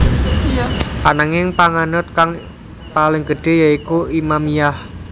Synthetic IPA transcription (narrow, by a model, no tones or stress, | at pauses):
panaŋɪŋpaŋanʊt̪̚kaŋ | palɪŋɡəɖ̥e̤jaikuimamijah